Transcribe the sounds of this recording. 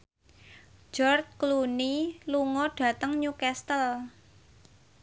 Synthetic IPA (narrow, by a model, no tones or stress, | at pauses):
d͡ʒ̥ɔrt̪̚kluniluŋɔɖ̥ä̤t̪əŋɲukɛst̪əl